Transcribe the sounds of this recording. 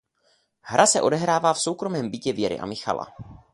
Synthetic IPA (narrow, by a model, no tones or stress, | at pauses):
hɾʔasɛʔo̞dɛɦɾaːvaːfso̞wkɾo̞mɛːmbɪcɛvjɛɾɪ̰ʔa̰mɪxa̰la̰